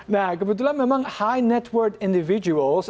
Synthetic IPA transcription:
naʊɡəbədulaməmʌ̃ŋhaɪnɛtʰwɜ˞kɪ̃ndɪvɪd͡ʒəəlˠz

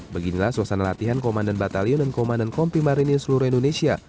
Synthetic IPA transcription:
bəɡinilahsuasanalat̪iɦankomandanbat̪aliʊndankomandankɔmpimaɾinisəluɾuindonesia

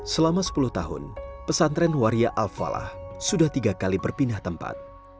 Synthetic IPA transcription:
səlamasə̥pulʊht̪aɦʊ̰npəsant̪ɾɛnwaɾiaʔalfa̰la̰hsudaht̪iɡakalibərpinaht̪əmpa̰t̪̚

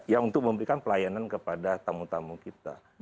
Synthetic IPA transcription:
jaŋunt̪ʊk̚məmbəɾikanpəlajanankəpadat̪amut̪amukit̪a̰

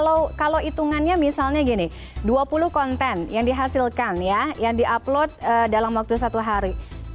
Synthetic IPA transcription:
lokalowit̪uŋanɲamisalɲaɡinɪ | duapulʊhkɔnt̪ɛnjaŋdiɦasilkanjajaŋdiʔaplot̪̚ədalamwak̚t̪us̬at̪uɦaɾi

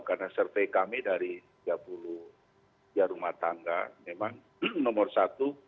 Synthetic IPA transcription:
karnasərfekamɛdaɾit̪id͡ʒapuluh | id͡ʒaɾumaht̪aŋɡa̰memaŋ | nɔmɔrsat̪u

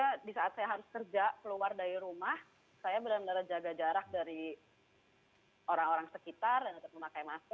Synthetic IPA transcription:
kadisaat̪̚sajaɦaɾʊskərd͡ʒakəluardaɾiɾumah | sajabənamənaɾad͡ʒaɡad͡ʒaɾak̚daɾi | oɾaŋoɾaŋsəkit̪ardanut̪ʊp̚məmakajmasa

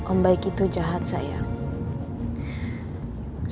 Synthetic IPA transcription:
ʔɔmbajkit̪ud͡ʒaɦat̪̚saja̰

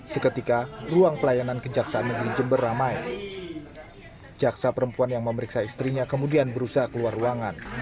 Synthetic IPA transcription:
səkət̪ikaruaŋpəlajanankəd͡ʒaksaanməɡəɾid͡ʒəmbərːamaj | d͡ʒaksapəɾəmpuanjaŋməməɾiksaist̪ɾiɲakəmudianbəɾusaɦakəluaruaŋan

